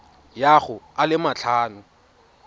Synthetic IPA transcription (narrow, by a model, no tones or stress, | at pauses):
jaɣʊalɪmat͡ɬʰaːnʊ